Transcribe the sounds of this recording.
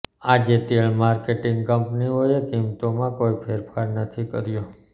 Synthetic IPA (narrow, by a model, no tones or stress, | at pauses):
ad͡ʒet̪eɭmaɾkeʈɪŋɡkəmpniɦojekimt̪omãkoipʰeɾpʰaɾnət̪ʰikəɾjo